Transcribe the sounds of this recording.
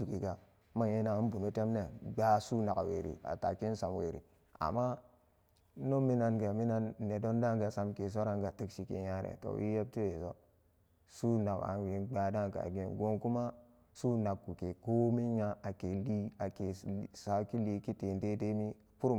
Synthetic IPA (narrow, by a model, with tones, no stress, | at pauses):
u˨ki˨ɡa˨˦ | ma˦je˦na˨˦bu˨no˦te˦mne˨ɡ͡ba˦su˦na˨ka̰˨wḛ˨ɾḭ˨a̰˨ta̰˨ki˦n̩˦sa˨mwḛ˨ɾḭ˨ | a̰˨mːa˦ | no˦mi˦na˨nɡa˨mi˦na˦nː˨e˨do˦nda˦ŋɡa˨sa˨mke˨s̬o˦ɾa˦ŋɡa˨ti˦kʃi˦kḛ˨ja˦ɾḛ˨to̰˨wʔḭ˦je˦b̚ti˦we˨so˦ | su˦na˨ka̰˨wi˨nɡ͡ba˨da˦ŋka̰˨ɡe˨nɡo˦ŋku˦ma˦ | su˦na˨kːu˨ke˨ko˦mi˦ɲa˦a˨ke˨li˦a˨ke˨sa˨ki˦li˨ki˦te˨nte˦de˦mi˦ | ku˦ɾu˦